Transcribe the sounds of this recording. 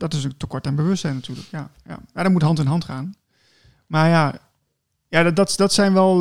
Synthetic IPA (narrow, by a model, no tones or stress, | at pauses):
d̥ɔtɪstəkɔɹtɛnbəʋøstsɛjnatyːləkjaja̰madɔmutɦɑntɪnɦɑntχaːn | maɹja | jaddɔtdɔtsɛjnʋɛlˠ